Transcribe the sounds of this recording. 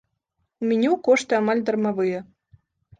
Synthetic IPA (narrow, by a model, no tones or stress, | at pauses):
umʲɛnʲɛwkɔʂt̪ɨamalʲd̪ɐrmavɨjɛ